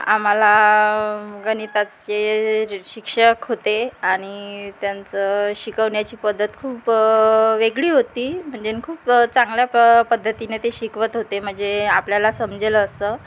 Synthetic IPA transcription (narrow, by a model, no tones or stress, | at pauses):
a̰m̤ala | ɡənit̪at͡st͡ɕeɕikʂəkɦot̪eaɽ̃it̪jant͡səɕikəʋɳjat͡ɕiːpəd̪ʱːət̪kʰuːp | ʋeɡɭiːɦot̪iːm̤əɳd͡zenkʰuːpt͡saŋɡljapəd̪ʱːət̪inet̪eɕikʋət̪ɦot̪em̤əɳd͡zeapljalasəmd͡ʑeləːsə